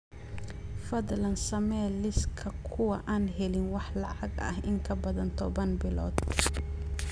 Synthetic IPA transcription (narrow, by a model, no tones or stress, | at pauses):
fɐðlɐnsɐmɛːlɪskʰɐkʰʊwɐʔaːnɦɛlɪnwɑħlɑʕɑɡɐ̰hɪŋkʰɐbɐðɐnt̪ʰɔβɐnbɪlɔ̰ːd̪